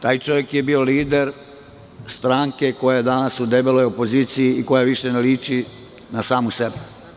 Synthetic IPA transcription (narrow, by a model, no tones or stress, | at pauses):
t̪aːjt͡ʃo̞ʋjekjebio̞liːd̪eɾ | st̪ɾaːŋke̞ko̞jajed̪anasud̪ebelojopo̞ziːt̪sijiːko̞jaʋiʃeneliːt͡ʃi | nasaːmusebɛ